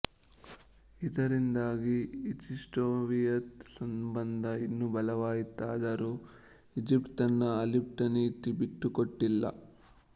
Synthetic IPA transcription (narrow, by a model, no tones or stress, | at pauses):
it̪ɐɾind̪aːɡiit͡ʃisʈoːʋijɐt̪sɐmbɐnd̪ʱɐinːubɐlɐʋaːjit̪aːd̪ɐɾu | id͡ʒipʈt̪ɐnːɐɐlip̚ʈɐnit̪ibiʈːukoʈːilːɐ̰